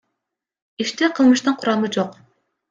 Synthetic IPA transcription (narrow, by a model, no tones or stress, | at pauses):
iʃt̪ɛqʰəlˠmɨʃt̪ɨnqʰuɾɑmɨd͡ʒoq